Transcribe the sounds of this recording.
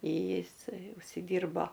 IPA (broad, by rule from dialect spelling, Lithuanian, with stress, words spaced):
ˈjɪsɐɪ ʊʃʲsʲɪˈdʲiːrboː